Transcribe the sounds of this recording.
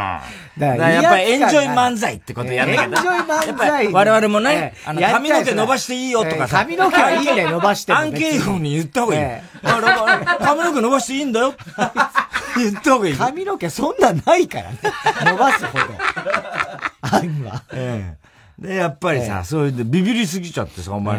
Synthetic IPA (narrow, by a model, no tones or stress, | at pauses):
a̰ | d̪ad̪ajapːaiẽ̞ɲd͡ʑo̞imãnd͡zait̪ːekoojanked͡ʑoimajapːaiaiβaɾe̞βaɾemo̞ne̞anoakamʲio̞k̬eno̞baɕi̥t̪e̞iːjot̪o̞kasaamʲinokeaiːd̪enobaɕi̥t̪eãŋkeːhoɲ̟ijɯt̪ːehoi | ɾokamʲino̞k̬eno̞baɕit̪eĩːnd̪ajo̞t̪ | jɯt̪ːehoɡaikamʲinokesõnːãnaika̰ɾa̰nenobasɨhod̪o̰ | aima̰ẽ | d̪ejapːaɾʲisa̰so̞ːjɯd̪ebʲibʲiɾʲisɨɡʲit͡ɕa̰t̪ːe̞sa̰o̰mːa̰